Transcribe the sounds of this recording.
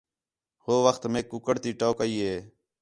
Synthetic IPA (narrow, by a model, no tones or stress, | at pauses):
hoːʋəxt̪meːkːʊkəɽt̪iːʈoːkəiːɦeː